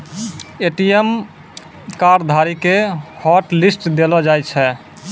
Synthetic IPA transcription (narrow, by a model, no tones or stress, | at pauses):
eʈijem | kaɾd̪ʱaɾikehɔʈlisʈd̪elɔd͡ʒajt͡ʃʰɛ